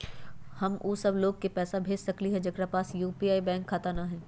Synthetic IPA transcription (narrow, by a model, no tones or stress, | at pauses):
hɐmʔuːsɐbloːɡ̚kepɛːsabʱeːd͡ʒsɐkliɦɛ̃d͡ʒɐɡɾapaːsjuːpiːaːibɛ̃ːŋkʰːaːt̪anaɦɛ̃ː